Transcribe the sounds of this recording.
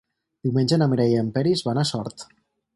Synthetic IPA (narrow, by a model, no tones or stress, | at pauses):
d̪̥iwmenʲd͡ʒenameɾɛjəmpɛɾizβanasɔɾt̪